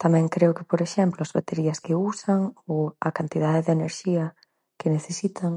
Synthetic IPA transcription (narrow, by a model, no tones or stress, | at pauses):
t̪amɛ̃ŋkɾeʊkɪpoɾeʃɛmplʊazβat̪eɾiɐskeusaŋoɐkant̪ið̞aðeðeneɾʃiɐ | kɪneθesit̪ʰaŋ